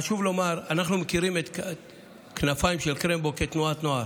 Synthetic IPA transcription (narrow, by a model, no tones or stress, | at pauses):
aʃuvlo̞maʁanaχnumekiɾimet̪ | knafajimʃelkɾemboket̪nuat̪noa